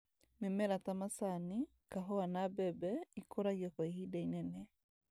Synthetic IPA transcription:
memɛɾatamasani | kaɦɔanabɛbɛikoɾajɔkɔihidainɛnɛ

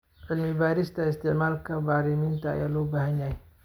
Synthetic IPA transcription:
ʕɪlmɪbaːɾɪst̪ʰɐɪst̪ʰɪʕmaːlkʰɐbaːɾɪmɪnt̪ʰɐ̰ːjaːlɔːbaːhɐnjaɦɛj

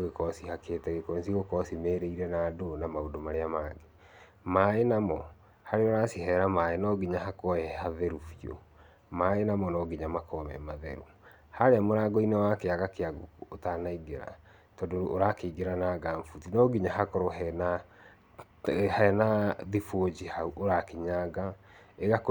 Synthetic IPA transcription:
oɣekɔsihakeːtɛɣekosiɣokɔsimeɾeiɾɛnaːdonamaodomaɾeamaːɡe | maːenamɔ | haɾeoɾasihɛɾamaːenɔɡiɲahakɔɛhaðɛɾufio̰ | maenamɔnɔɡiɲamakɔmɛ̰maðɛ̰ɾu | haɾeamoɾaɡɔinewakeaɣakeaɡokuotanaiɡeɾa̰ | tɔdooɾakeiɡeɾanaɡaɱfutinɔɡiɲahakɔɾɔɦɛna | hnaðifod͡ʑihauʔoɾakeɲaɡaeɣak

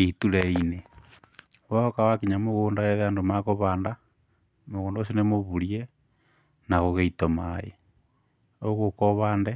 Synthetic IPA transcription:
ituleine | wookawakiɲamoɣuːndaɣeðandomakoβaːnda | moɣuːndosinemoβulje | naɣoɣeitomajḛ | oɣokoβaːnde

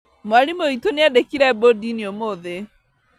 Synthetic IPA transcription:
moaɾimoitoneadekiɾɛbodiniomoðe

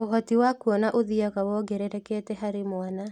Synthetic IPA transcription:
oɦɔtiwakuɔnaʔoðiaɣawɔɡɛɾɛɾɛkɛːtɛɦaɾemwana

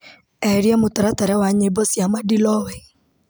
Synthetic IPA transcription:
ɛɾjamotaɾataɾɛwaɲebɔsjamadilɔwɛ

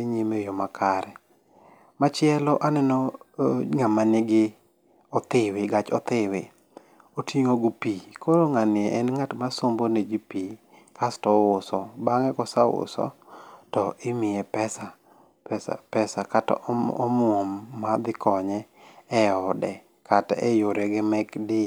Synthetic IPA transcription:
eɲemejomakʰaɾɛ | mat͡ʃɪɛlɔʔanɛnɔ | ŋamanɪɡɪ | ɔt̪ɪwɪɡat͡ʃɔt̪ɪwɪ | otiŋoɡʊpikʰoɾoŋanɪɛʔɛnŋatmasomboned͡ʒipi | kastɔwʊsɔbaŋɛkɔsawʊ̰sɔ̰tɔʔɪmɪɛpɛsa | pɛsa̰pɛsakatɔ̰ɔmʊɔmːad̪ɪkʰɔɲɛː | ɔdɛ | kʰatɛ̰joɾɛɡɪmɛkdɪ

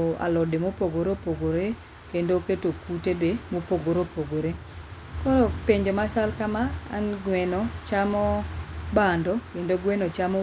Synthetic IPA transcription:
a̰lɔdemopoɡoɾopoɡoɾe | kendoketokutebemopoɡoɾopoɡoɾe | kɔɾɔpeɲd͡ʒomasalkama̰ːnɡwɛnɔt͡ʃamɔbandɔkendoɡwɛnot͡ʃamɔ

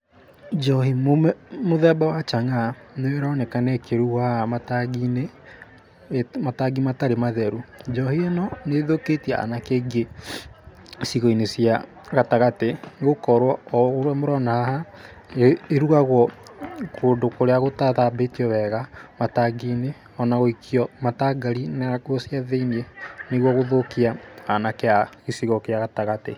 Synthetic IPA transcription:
d͡ʒɔɦimommoðɛbawat͡ʃaŋaneweɾɔnɛkanɛkeɾuamataɡine | mataɡimataɾemaðɛɾud͡ʒɔhiɛnɔneðoketiaa̰nakeɡe | siɣoinesja | ɣataɣateɣokɔɾwɔɔɣoɾwamoɾɔnaaha | eeɾuɣaɣwɔkʰoːndokoɾeaɣotaðabetiɔβɛɣamataɡiːne | ɔnaɣoikʰiɔmataɡaɾinakwɔsjaðeineneɣwɔɣoðokiaanakeaɣesiɣɔkeaɣataɣate

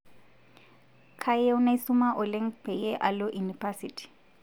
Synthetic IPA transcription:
kʰajeʊnaisʊmaʔʊleŋ̩pʰɛjeʔalʊʔunifasitʰi̥

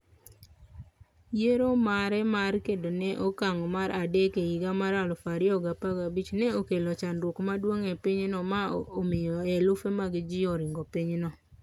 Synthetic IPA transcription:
jeɾomaɾɛmarkedonɛʔokaŋɔmaɾadekeiɡamaɾalɔfaɾɪɔɡapaɡabit͡ʃnɛokelɔt͡ʃanɾwokmadwoŋɛpiɲnɔmaomɪjɔɛlʊfemaɡɪd͡ʒɪɔɾɪŋɡɔpiɲnɔ

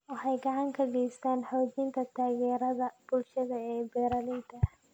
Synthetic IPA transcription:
wɑħɑjɡɑʕɑŋkʰɐɡɛjst̪ʰaːnħɔːt͡ʃɪnt̪ʰɐt̪ʰaːjɛːɾɐðɐb̥ʊlʃɐðɐɛːbɛːɾɐlɪːt̪ʰɐ

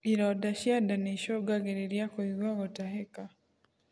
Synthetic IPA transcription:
iɾɔdaʃjadaniʃoɡaɡeɾeɾjakoiðwaɣotaɦeka

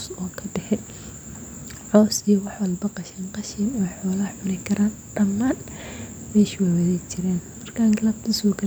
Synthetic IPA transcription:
sɔːkʰɐɖɛħɛ | ʕɔwsijɐwɑħwɐlbɐqɑʃɐnqɑʃiːnɔːħɔːlɐħʊɾɪkʰɐɾaːn | ɖ̥ɐmːaːn | mɛːʃwaːwɐðɛjt͡ʃʰɪɾɛːnmɐrkʰaːŋɡɐlɐb̚t̪ʰɐsɔːɡʰɐ

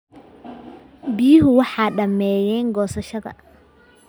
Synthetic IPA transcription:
biːɦʊwɑħaːɗɐmːɛːjɛːŋɡɔːsɐʃɐðɐ̰

